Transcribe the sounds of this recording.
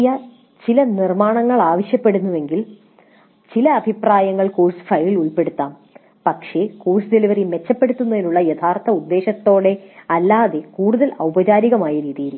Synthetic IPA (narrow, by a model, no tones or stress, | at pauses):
jɐ | t͡ɕilɐnirmaːɳɐŋːɐɭaːʋɐɕjɐpːe̞ɽunːuʋe̞ŋɡil | t͡ɕilɐːbʱipraːjɐŋːɐɭkoːrsfɐjliluɭpe̞ɽut̪ːaːm | pɐkʂe̞koːrsɨd̪eliʋɐrime̞t͡ɕːɐpːe̞ɽut̪ːunːɐðenuɭːɐjɐt̪ʰaːrt̪ɐud̪ːe̞ːɕɐt̪ːo̞ːɽe̞ɐlːaːðe̞kuːɽuðɐlɐwbɐt͡ɕaːɾiɣɐmaːjɐɾiːðijiɾukːu